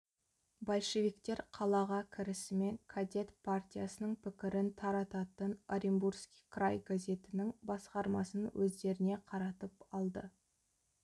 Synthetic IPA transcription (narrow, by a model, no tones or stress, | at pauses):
bolˠʃe̞vikt̪e̞ɾqʰɑlˠɑʁɑkʲʰɪɾɪsɪme̞ŋkʰad̪ʲe̞t̪pʰart̪ʲijasənəɴpʰɪkʲɪɾɪnt̪ʰɑɾɑt̪ɑt̪ənaɾʲimburskʲi̥jkʰrajɡazʲe̞t̪ɪnɪŋbɑsqɑɾmɑsənwʔɵzd̪e̞ɾɪne̞qʰɑɾɑt̪əpɑlˠd̪ə